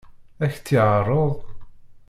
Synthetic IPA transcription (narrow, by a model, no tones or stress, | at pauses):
æçt͡sːiʕərˤːoðˤ